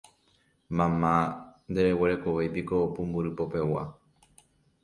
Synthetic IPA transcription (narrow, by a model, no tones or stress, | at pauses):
mãmãnd̪e̞ɾe̞weɾe̞koʋejpiko̞ːpũmbuɾɨpo̞pe̞wa̰